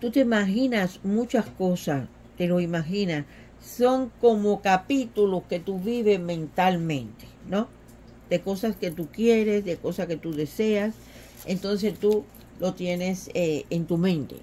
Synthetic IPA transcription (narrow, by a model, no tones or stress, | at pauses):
t̪ut̪eimaxinasmut͡ʃaskosas | t̪eloimaxinas | sːo̞ŋkomokapit̪uloske̞t̪uβiβe̞mẽ̞nt̪almẽ̞nt̪e̥no | d̪̥e̞ko̞saske̞t̪ukje̞ɾesðeko̞sake̞t̪uðeseas | ent̪o̞ns̬e̞st̪u | lo̞t̪je̞neseent̪umẽ̞nt̪e̞̰